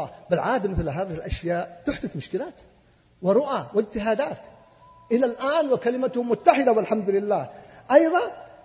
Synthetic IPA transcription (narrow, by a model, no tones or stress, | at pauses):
ɑːbɪlʕaːd̪amɪθlɦaːðɪhɪlʔaʃjaːʔt̪ʊħd̪ɪθmʊʃkɪlaːt̪ | wɪɾˤʊʔawɪd͡ʒt̪ɪɦaːd̪aːt̪ | ʔɪlalʔaːnwɪkalɪmat̪ʊhʊmʊt̪ːaħɪd̪awɪlħamd̪ʊlɪlːaːhʔɑjðˤɑ